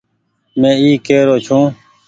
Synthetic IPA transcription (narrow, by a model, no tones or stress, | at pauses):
mẽːiːkeːɾoːt͡ʃʰũː